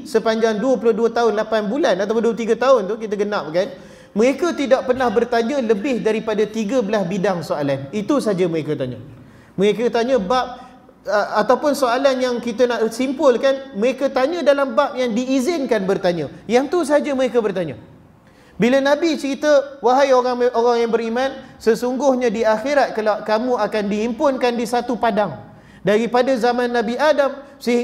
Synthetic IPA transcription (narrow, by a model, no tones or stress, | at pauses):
səpaɲd͡ʒaŋduəp̬ulʊhduət̪aʊnlapanbulanat̪awp̬ʊnduət̪iɡət̪aʊnt̪ukit̪əɡənap̚kan | mə̃ɾekət̪idaʔ̚pərnahbərt̪aɲə̃ləbɪhdaɾipadat̪iɡəbəlasbidaŋsoalanit̪usaɦad͡ʒəməɾekət̪aɲə̰̃ | mə̃ɾekət̪aɲə̃bap̚ | əat̪awpʊnsoalanjaŋkit̪ənaʔsimpʊlkanməɾekət̪aɲə̃dalambap̚jaŋdiːzɪnkanbərt̪aɲə̃jaŋt̪us̬əɦad͡ʒəməɾekəbərt̪aɲə̃ | bilənãbit͡ʃəɾit̪əwaɦajoɾaŋoɾaŋjaŋbəɾimãnsəsuŋɡʊhɲãdiaxeɾat̪̚kalawkamũakandihimpʊnkandisat̪upadaŋ | daɾipadazamãnːãbiʔadam | sə